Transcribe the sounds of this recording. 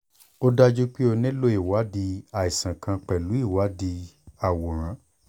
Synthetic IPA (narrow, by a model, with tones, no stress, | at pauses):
o˦da˦d͡ʒu˦k͡pe˦o˧nẽ˦lo˦i˨wa˨˦di˧a˨i˨sã˨kʰã˧k͡pɛ˨lu˨˦i˦˨wa˨˦di˧a˦˨wo˨ɾ̃ã˨˦